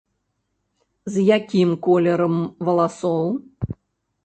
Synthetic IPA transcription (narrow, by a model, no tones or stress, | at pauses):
zjakʲimkɔlʲɛɾɐmvɐlˠasɔw